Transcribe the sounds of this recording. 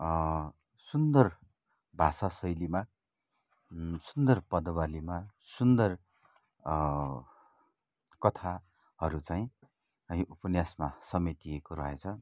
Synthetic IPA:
sund̪ʌr | bʱasasʌjlima | sund̪ʌrpʌd̪ʌbalimasund̪ʌr | kʌt̪ʰa | hʌɾut͡saĩ | ʌĩʔupʌnjasmasʌmet̪iekoɾʌɦet͡sʰʌ

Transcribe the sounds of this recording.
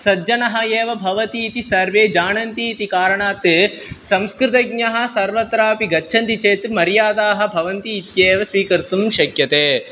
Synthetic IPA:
sɐd͡ʒɐnɐɦɐjeːʋɐbʱɐʋɐt̪iːt̪isɐɾʋeːd͡ʒaːɳɐnt̪iːt̪ikaːɾɐɳaːt̪ | sɐmskɾɪt̪ɐɡɲɐɦɐ̆sɐɾʋɐt̪ɾaːpiɡɐːt͡ʃʰɐnt̪it͡ʃeːt̪mɐɾjaːd̪aːɦɐ̆bʱɐʋɐnt̪iːt̪jeːʋɐsʋiːkɐɾt̪umʃɐkjɐt̪eː

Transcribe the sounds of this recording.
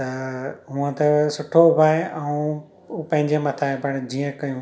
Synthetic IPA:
t̪ɐɦũə̃t̪ɐsʊʈʰobʱaːeʔɛũ | pɐ̃ɦɪ̃ɲd͡ʑemɐt̪ʰaːebɐɽd͡ʑiːə̃kɐjũ

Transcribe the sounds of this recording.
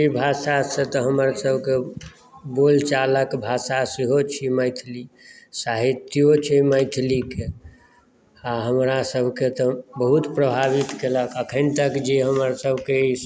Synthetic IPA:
ibʱasaset̪ɔɦəməɾsəbʱke | bolt͡ʃaləkbʱasasiɦot͡ʃʰiməɪt̪ʰlisaɦit̪jot͡ʃʰiməɪt̪ʰlike | aɦəmɾasəbʱket̪ɔbəɦut̪pɾəbʱaβit̪keləkəkʰənt̪əkd͡ʒeɦəməɾsəbʱkei

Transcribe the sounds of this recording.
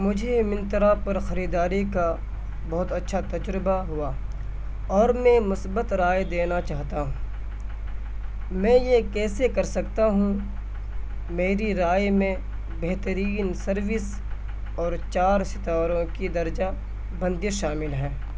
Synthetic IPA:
mʊd͡ʒʱemɪ̃nt̪ɾapɐɾxɐɾiːd̪aːɾika | bɐɦʊt̪ɐtːʃʰat̪ɐd͡ʒɾɪbaɦʊaː | ɔːɾmɛ̃mʊsbət̪ɾaːjd̪eːnat͡ʃaːɦt̪aɦũː | mɛ̃jekɛːsekɐɾsɐkt̪aɦũ | meːɾiɾaːjmẽ | beɦt̪əɾiːnsɐɾʋɪs | ɔːɾt͡ʃaːɾsɪt̪aːɾõkid̪ɐɾd͡ʒa | bɐ̃nd̪jeʃaːmɪlɦɛː

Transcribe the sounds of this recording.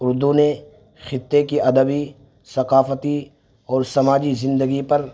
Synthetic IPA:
ʊɾd̪une | xɪt̪ːekiʔɐd̪əbi | sɐqaːfət̪i | ɔːɾsɐmaːd͡ʒizɪ̃nd̪əɡipɐɾ

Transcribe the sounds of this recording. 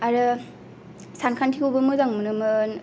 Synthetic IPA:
aɾɯ | sankʰantʰikobɯmɯzaŋmɯnɯmɯn

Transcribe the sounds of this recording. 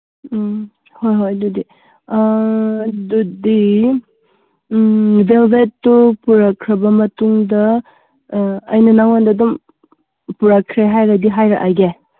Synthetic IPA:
hojɦojdudi | dudi | belbetːopuɾakʰɾɐbɐmɐtuŋdɐ | ɐjnɐnaŋandadum | puɾakʰɾeɦajɾadiɦajɾa̰ʔaɡe

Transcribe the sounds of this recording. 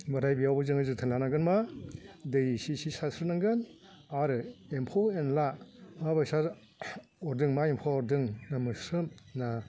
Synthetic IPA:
maɾajbijawbɯzɯŋɯzɯtʰɯnlanaɡɯnma | dɯjsisisasʰɾɯnaŋɡɯn | aɾɯempʰawenlamabajsa | ɔɾdɯŋmaempʰawɔɾdɯŋnamɯsɯmna

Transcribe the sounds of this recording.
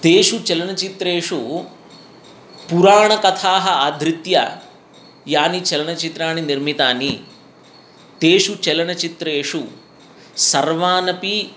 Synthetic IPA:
t̪eːʂut͡ʃɛlɐnɐt͡ʃit̪ɾeːʂu | puɾaːɳɐkɐt̪ʰaːɦɐaːd̪ʱɾit̪jɐ̰ | jaːnit͡ʃɛlɐnɐt͡ʃit̪ɾaːniniɾmit̪aːni | t̪eːʂut͡ʃɛlɐɳɐt͡ʃit̪ɾeːʂu | sɐɾʋaːnɐpi

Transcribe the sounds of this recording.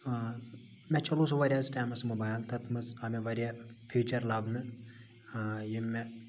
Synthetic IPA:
mʲɛt͡ʃɐluːsɐʋɐɾʲjaːzʈaːmɐsmobaːjlt̪ɐt̪ʰmɐzɐmeʋɐɾʲjaːfʰiːt͡ʃɐɾlaːbnɨ | jimɛ

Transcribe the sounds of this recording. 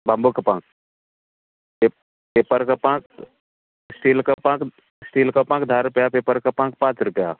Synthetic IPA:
bãmbukapãːk̚ | e | peːpəɾkapãːk | sʈiːlkapãːk | sʈiːlkapãːkd̪ʱaːɾʊpjapeːpəɾkapãːk̚pãːt͡ʃɾʊpja

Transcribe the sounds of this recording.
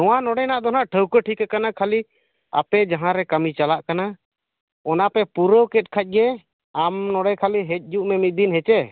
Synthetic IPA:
nɔwanɔɽɛjnaʔd̪ɔnaʔʈʰəwkəʈʰikakanakʰali | a̰pɛd͡ʒaɦãɾɛkəmit͡ʃalaʔkana | ɔnapɛpuɾəwkɛt̚kʰac̚ˀɡɛ | amnɔɽɛkʰaliɦɛc̚ˀd͡ʒuʔmɛmit̪̚d̪inɦɛt͡ʃɛ

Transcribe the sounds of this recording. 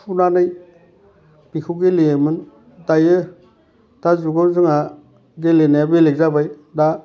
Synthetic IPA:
pʰunanɯj | pikʰuɡelemɯn | tajɯ | tazuɡɔzɯŋa | ɡelenaabelek̚zabaj | da

